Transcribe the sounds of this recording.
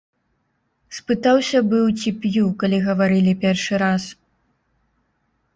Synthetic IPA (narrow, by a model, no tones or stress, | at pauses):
spɨt̪awsʲɐbɨwt͡sʲipʲjukalʲiɣɐvaɾɨlʲipʲɛrʂɨɾas